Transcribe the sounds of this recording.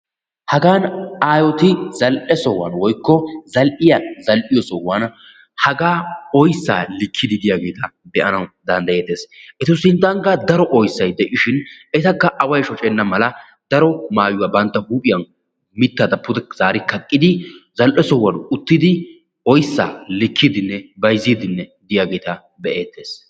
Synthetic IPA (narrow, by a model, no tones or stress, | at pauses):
hɐɡaːnaːjɔt̪ɪzɐlʔɛsɔwɐ̰nwɔjkːɔzɐlʔɪjɐzɐlʔɪjɔsɔwːan | hɐɡaːɔjsːa̰ːlɪkʰːɪd̪ɪd̪ɪjaːɡe̞ːt̪ʰɐd̪ɛʔɐnɐwd̪ɐnd̪ɐjeːd̪eːsʔɛt̪ʊsɪnd̪ɐŋɡɐd̪ɐɾɔʔɔjsːɐjd̪ɛʔɪʃɪnɛt̪ɐkːɐʔɐwɐjʃɔt͡ʃʼɛnːɐmɐlɐ | d̪̥ɐɾɔmaːjʊwɐbɐnt̪ːɐhuːpʼɪjɐn | mɪt̪ːɐd̪ɐpːʊd̪ɛz̥aːɾɪkːɐkʼːɪd̪ɪzɐlʔɛsɔwːɐnʊt̪ːɪd̪ɪ | ʔɔjsːa̰ːlɪkʰːɪd̪ɪnːɛbɐjziːd̪ɪnːɛd̪ɪjaːɡe̞jt̪ɐ | bɛʔeːt̪ːe̞ːs